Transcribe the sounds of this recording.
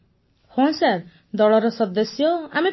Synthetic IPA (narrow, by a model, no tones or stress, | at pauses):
hɔ̃nsaɾ | d̪ɔɭɔɾɔsɔd̪ɔsjɔami